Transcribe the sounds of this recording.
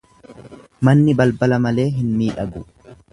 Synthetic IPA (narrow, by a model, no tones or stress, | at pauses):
mɐnːɪbɐlbɐlɐmɐle̞ːɦɪnmiːᶑɐɡʊ